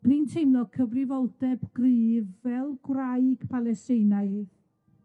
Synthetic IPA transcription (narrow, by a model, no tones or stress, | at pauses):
intʰejmnɔkʰəvrɪvɔlˠd̥ɛbɡ̥riːðvɛlˠɡwrajɡ̥pʰalɛstɪjnaɨjð